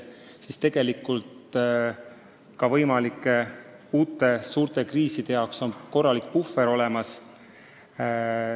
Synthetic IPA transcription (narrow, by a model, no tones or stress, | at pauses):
sist̪e̞ɡ̥e̞likːˑult̪ | kɑvɤjmɑlikːˑe̞ | uːt̪ːˑe̞suːɾt̪e̞kriːsid̪̥e̞jɑwkso̞nko̞rːɑlikpufːeɾo̞le̞mɑs